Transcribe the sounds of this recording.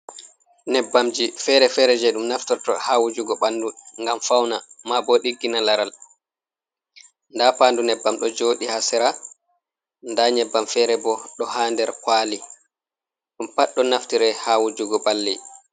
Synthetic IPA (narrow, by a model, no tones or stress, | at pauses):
nɛbːamd͡ʒifɛɾɛfɛɾɛd͡ʒɛɗumnaftɔɾtɔ̰haːwud͡ʒuɡɔɓanduŋɡamfawnamabɔɗiɡːinalaɾal | ndapandunɛbːamɗɔd͡ʒoːɗihasɛɾa | ndaɲɛbːamfɛɾɛbɔɗɔhaːndɛɾkwaːli | ɗumpaɗːɔnaftiɾɛhaːwud͡ʒuɡɔɓalːɛ